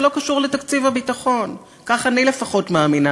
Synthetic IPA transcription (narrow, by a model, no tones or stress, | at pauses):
lo̞kaʃuʁletakt͡sivabitaχo̞n | kaχanile̞faχo̞tmaːmina